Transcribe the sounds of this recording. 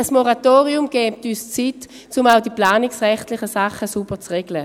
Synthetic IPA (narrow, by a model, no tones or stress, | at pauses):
əsmoʁatoːʁiʊmɡ̥ɛːp̚tyːst͡sit | t͡sʊmaʊdiplaːnɪksʁɛχtlɪχəsaχəsubət͡sʁɛɡ̥lə